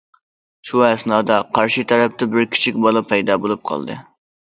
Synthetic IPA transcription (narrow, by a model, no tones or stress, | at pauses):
ʃʰuɛsnɑːd̪ɑqʰɑɾʃit̪ʰɛɾɛp̚t̪ɛbɪɾkʲʰi̥t͡ʃʰikʲbɑlˠɑpʰɛjd̪ɑːbolˠup̚qʰɑ̰lˠd̪ɨ̰